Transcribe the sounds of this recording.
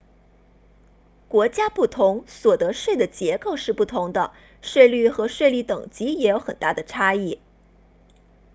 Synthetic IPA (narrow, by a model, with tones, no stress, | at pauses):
kwɔ˧˥t͡ɕja˥pu˥˩t̪ʰʊ˧˥ŋswɔ˨˩t̪ɤ˧˥ʂwe˥˩ɪd̪ə˩t͡ɕjɛ˧˥ko˥˧ʊʂɻ̩˥˧pu˥˩t̪ʰʊ˧˥ŋd̪ə̰˧ | ʂwe˥˧ɪly˥˩xɤ˧˥ʂwe˥˧li˥˩t̪ɤ˨˩ŋt͡ɕi˧˥jɛ˧˥jo˧˥ʊxə˨˩nt̪a˥˩d̪ə˩ʈ͡ʂʰa˥i˥˩